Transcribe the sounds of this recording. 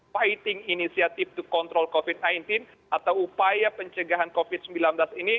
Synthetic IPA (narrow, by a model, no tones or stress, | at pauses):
fajt̪ɪŋinisiat̪ɪft̪ukɔnt̪ɾɔlkofɪt̪̚najnt̪ɪn | at̪awupajapəɲt͡ʃəɡaɦankofid̪̚səmbilanblasini